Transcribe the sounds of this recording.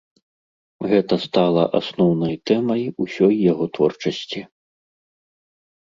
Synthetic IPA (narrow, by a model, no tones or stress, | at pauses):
ɣɛt̪ɐst̪alˠɐʔa̰snɔwnɐjt̪ɛmɐjusʲɔjːaɣɔt̪vɔ̰rt͡ʂɐsʲt͡sʲi